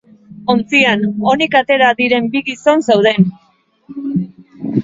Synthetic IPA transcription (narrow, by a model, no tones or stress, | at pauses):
o̞nt͡siano̞nikat̪e̞ɾaðiɾe̞mbiɣiso̞nsawð̞e̞n